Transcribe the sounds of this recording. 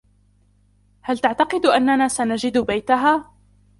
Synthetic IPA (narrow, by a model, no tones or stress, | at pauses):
halt̪aʕt̪ɑqɨd̪ʔanːanaːsanad͡ʒɪd̪bajt̪aɦaː